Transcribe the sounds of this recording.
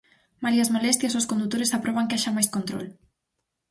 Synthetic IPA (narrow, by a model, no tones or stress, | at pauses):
maliazmolɛst̪jasoskond̪ut̪ːoɾesapɾɔβ̞aŋkeaʃamajskont̪ɾo̰l